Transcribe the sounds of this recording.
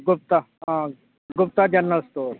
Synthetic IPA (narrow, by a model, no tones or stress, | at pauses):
ɡʊp̚t̪a | ãː | ɡʊp̚t̪ad͡ʒɐnːəlst̪oːɾ